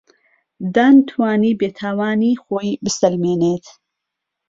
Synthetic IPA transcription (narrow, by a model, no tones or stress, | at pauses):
d̪aːnt̪ʰwaːniːbeːt̪ʰaːwaːniːxoːibɨsɐlmeːneːt̪